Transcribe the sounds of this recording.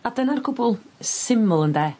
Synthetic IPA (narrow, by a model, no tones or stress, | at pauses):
adənarkʰʊbʊlˠsɪməlˠəndɛ